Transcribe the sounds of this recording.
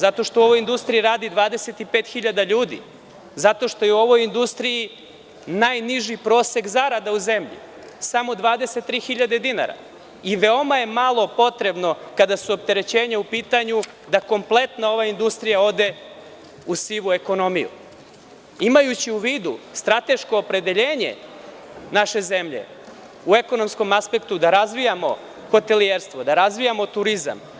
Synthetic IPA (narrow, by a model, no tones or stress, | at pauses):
zat̪o̞ʃt̪ouo̞ʋo̞jind̪ust̪ɾijiɾaːd̪id̪ʋaːd̪e̞se̞t̪ipeːt̪xiʎad̪aʎuːd̪ḭ | zat̪o̞ʃt̪o̞jeuo̞ʋo̞jind̪ust̪ɾiji | najniʒipɾo̞ːse̞ɡzaɾad̪auzemʎḭ | samo̞d̪ʋaːd̪e̞set̪ːɾiːxiʎad̪e̞d̪ina̰ɾa̰ | iʋe̞o̞maje̞malˠo̞po̞t̪ɾe̞bno̞kad̪asuop̚t̪e̞ɾe̞t͡ɕe̞ːɲaupiːt̪aɲu | d̪ako̞mplˠe̞t̪nao̞ʋaind̪ust̪ɾijao̞d̪e̞ | usiʋue̞ko̞no̞mijṵ | imajut͡ɕiuʋiːd̪ust̪ɾat̪e̞ʃko̞ːpɾe̞d̪e̞ʎeːɲḛ | naʃe̞zemʎḛ | ue̞ko̞no̞msko̞maspe̞kt̪ud̪aɾazʋijamo̞ | xo̞t̪e̞lieɾst̪ʋo̞d̪aɾazʋijamo̞t̪uɾiza̰m